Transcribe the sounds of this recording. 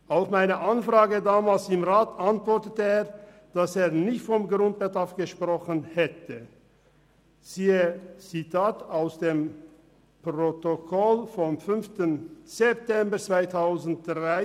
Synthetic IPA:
ʔaʊfmaɪnəʔanfʁ̥aːɡədaːmaːlsɪmʁaːtantv̥ɔɐtətəeːɐ | d̥aseːɐnɪçtfɔmɡʁʊnt̚b̥ədafɡ̥əʃpʁ̥ɔχənhɛtə | z̥iːət͡sitʰaːtaʊsd̥eːm | pʁotokʰɔlfɔmfʏnftənz̥ɛp̚tɛmbɐt͡sv̥aɪtʰaʊzn̩t̚d̥ʁaɪ

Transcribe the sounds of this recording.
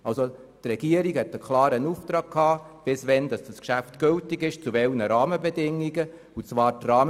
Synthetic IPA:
ɑlso | trɛɡ̥iəɾikhɛtəkʰlɑːɾənuft̪ɾɑːɡ̚kʰhɑːb̥ɪsʋɛnd̥ɑsd̥əskʃæftɡ̥ʏltɪɡɪʃt͡suvɛlnəɾɑːməbɛdɪŋːiɡə | ut͡sʋɑːɾtrɑːm

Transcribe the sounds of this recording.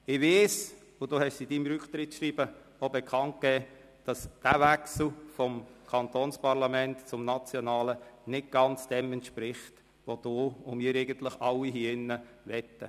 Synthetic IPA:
ɪʋeːs | ʊd̥oːhɛʃsidimɾʏkχt̪ɾɪtʃɾiːb̥ə | obɛkʰɑnt̚kɛː | d̥ɑsd̥æːvæksl̩fɔmkʰɑnt̪oːnspɑɾlɑmɛntt͡sʊmnɑt͡sjonɑːlənɪt̚ɡ̥ɑnt͡sd̥ɛmɛntʃpɾɪχt | ʋod̥oːʊmiːɾɛɪɡənt̪lɪχɑlːiɦiɪnːə | vɛt̪ːə̰

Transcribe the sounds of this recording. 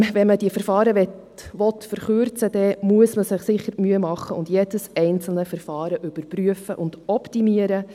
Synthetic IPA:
ʋɛnməd̥iəfəɾfɑːɾəʋɛt̪ | ʋɔtfəɾχøɾt͡səd̥̪ɛmuəsməsɪχsɪχːəɾmyəmɑχːəʊndjed̥əsɛɪnt͡sl̩nəfəɾfɑːɾəʔʏb̥əɾpɾyəfəʔʊnd̥ɔptimiəɾə

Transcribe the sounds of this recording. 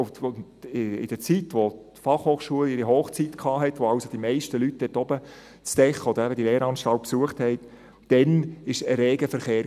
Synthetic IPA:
n | ɪ̰d̥əɾt͡sitʋotfɑχhoːχʃuəlɪɾiɦoːχt͡sitkʰɑːɦɛtʋoɑʊsod̥imɛɪʃtəlyt̚d̥̪ɛtɔbə | t͡sd̥ɛχəɔd̥̪əɾæbədilɛːɾɑːnʃtɑlt̚psuəχthɛɪt | d̥ɛnɪʃəɾeːɡəfəɾχeːɾ

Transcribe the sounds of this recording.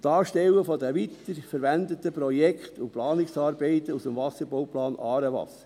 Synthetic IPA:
tɑːʃtɛwəfɔdəʋit̪ːəɾfəɾʋænd̪ət̪ːəpɾɔjɛkχt̪ʊplɑːnɪksɑːɾbɛɪt̪usəmvɑsəɾbowplɑːnʔɑːɾəʋɑ̰səɾ

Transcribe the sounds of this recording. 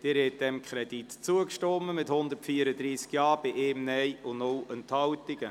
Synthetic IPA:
d̥ɪːɾhɛt̚d̥̪ɛmkʰɾɛd̪itt͡suəkʃtɔməmɪthʊnd̪ərtfiːəɾədɾiːskjɑːb̥ɪʔeːmnɛjʊnʊlənt̪hɑwtɪɡə

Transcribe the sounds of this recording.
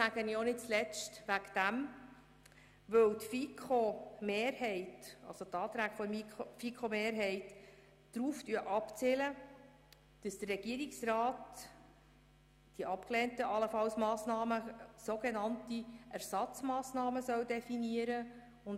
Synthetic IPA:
æɡ̥ənionɪt̚t͡slɛt͡ʃtʋækd̥æm | ʋɵwt̪fikʰomeːɾhɛɪtɑ̰lsot̪ɑːt̪ɾæːɡ̥fɔmifikʰχomeːɾɦɛɪtː | ɾuːftyəʔɑpt͡sɪlə | d̥əsd̪̥ərːɛɡ̥iəɾiksrɑːt | d̥iʔɑpklɛːntəʔɑləfɑlsmɑːsnɑːməsoɡenɑntiʔæɾsɑt͡smɑːsnɑːməsœwdɛfiniəɾə | ʊn

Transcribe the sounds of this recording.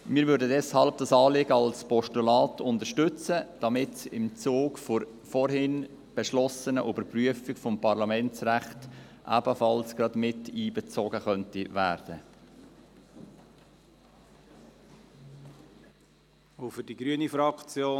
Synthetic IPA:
mɪːɾvʏːɾdədɛshɑlb̚d̥ɑsɑːlɪɡəɑlspɔʃtulɑːtʰʊndəʃtʏt͡səd̥ɑmɪtsɪmt͡soːkfʊɾ | fɔɾhɪn | b̥ɛʃlɔsənəʔybəɾpryəfɪkfɔmpʰɑɾlɑmɛnt͡sræχtʔæ̰b̥əfɑlsɡ̥ɾɑdmɪtiːbɛt͡soɡəχœntivæːɾd̥ə | ofʏdiɡɾyənifɾɑkt͡sjoː

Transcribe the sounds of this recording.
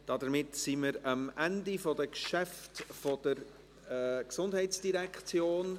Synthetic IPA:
d̥ɑdəɾmɪtsiməɾɑmʔændifɔdəkʃɛftfɔd̥əɾ | ksʊndhɛɪtt͡sd̥iɾɛkt͡sjoːn

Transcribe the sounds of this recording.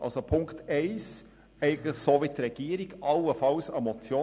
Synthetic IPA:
ʔɑ̰lsopʰʊŋkt̪ɛɪs | ɛɪɡən̩tləχsoːʋit̪ɾɛɡ̥iːəɾiɡ̥ɑlːəfɑlsɑmɔt͡sjoː

